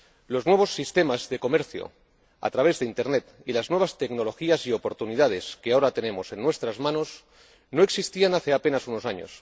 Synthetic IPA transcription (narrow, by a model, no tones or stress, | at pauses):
lo̞znwe̞β̞o̞sːist̪e̞mazðe̞ko̞me̞ɾθjo̰ | a̰t̪ɾaβ̞e̞zðeint̪e̞ɾne̞t̪ | ilaznwe̞β̞ast̪e̞kno̞lo̞xiasio̞po̞ɾt̪uniðað̞e̞skeao̞ɾat̪e̞nẽ̞mo̞se̞nːwe̞st̪ɾazmãno̞s | no̞e̞ksist̪ianaθe̞ape̞nasuno̞saɲo̞̰s